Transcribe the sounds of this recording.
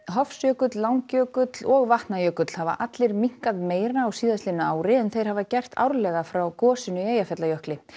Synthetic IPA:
ɦɔfsjœːkʏt̪lːawŋcœːkʏt̪lɔɣvaht̪najœːkʏt̪l̥hava̰ʔat̪lɪɾmiŋ̥kaðmeːjɾaːwsiːðast̪lɪnːʏaːwɾɪɛnθejɾhavacɛjr̥t̪ʰa̰wɾlɛːɣafɾawkɔːsɪnʏeːjafɛt̪lajœhklɪ

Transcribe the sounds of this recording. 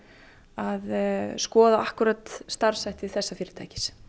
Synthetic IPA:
aðskɔːðaahkʏɾat̪st̪aɾ̥sajht̪ɪɪθɛsːafɪːɾɪ̥t̪a̰jcɪ̥s

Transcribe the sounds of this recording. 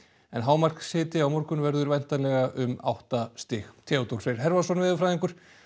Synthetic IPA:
ɛnɦaːwmar̥ksɪːt̪ɪawmɔɾkʏnvɛɾðʏɾvɛjn̥t̪alɛɣaʔʏma̰wht̪ast̪ɪxt̪ʰɛːɔwt̪ol̥fɛɾ̥ɦɛɾvasɔnvɪːðʏfɾajðiŋkʏɾ̥

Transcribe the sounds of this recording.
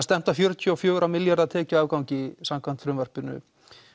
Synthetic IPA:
st̪ɛm̥t̪afjœɾt̪ʰjiɔfjœːɣɾamɪljaɾðat̪ʰɛːcaaːvkawɲcɪsamkʰvan̥t̪fɾʏmvœr̥pɪnːʏ̰

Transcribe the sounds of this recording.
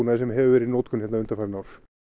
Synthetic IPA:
naðɪsɛmɦɛvʏvɛːɾɪðnoːwt̪kʰʏnhɛt̪naʏnt̪afaɾnawɾ̥

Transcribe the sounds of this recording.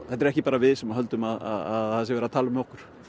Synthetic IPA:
θɛt̪ɪɾɛhcɪpaːɾavɪðsɛmaɦœlt̪ʏmaða̰ðaðθas̬ɪvɛɾat̪ʰaːlʏmɛɔhkʏɾ̥

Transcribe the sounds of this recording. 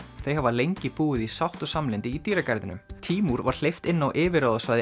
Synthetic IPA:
θejhavalejɲcɪpuːɪðisawht̪ɔsamlɪnt̪ɪit̪iːɾakaɾðɪnʏ̰mt̪ʰiːmuɾvaɾ̥l̥ejft̪ɪnːawʔɪːvɪɾaðɔsvajðɪ

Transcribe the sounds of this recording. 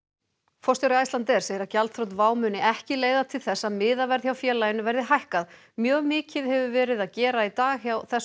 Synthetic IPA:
fɔrst̪jɔwɾɪajst̪ant̪ɛɾ̥seːjɪɾacalt̪θɾow̪t̪vaːwmʏːnɪʔɛhcɪleːjðat̪ʰɪlθɛsːaðmɪːðavɛɾðçjawfjɛːlajɪnvɛɾðɪɦajhkað | mjœːɣmɪːcɪðhɛvʏvɛːɾɪðaðcɛːɾait̪aːɣçjawθɛs

